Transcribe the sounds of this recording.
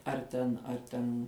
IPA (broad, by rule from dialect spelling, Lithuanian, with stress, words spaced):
ɐr ˈtʲɛn ɐr ˈtʲɛn